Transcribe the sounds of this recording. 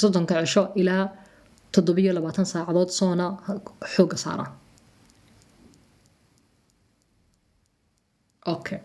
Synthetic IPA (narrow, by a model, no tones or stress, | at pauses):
sɔd̪ɔŋkʰɐʕɪʃɔʔɪlaː | t̪ʰɔd̪ɔβɪjɔlɐβaːt̪ʰɐnsaːʕɑðɔːd̪sɔːnɐħɔːɡɐsa̰ːɾɐ̰ | ʔɔkʰɛ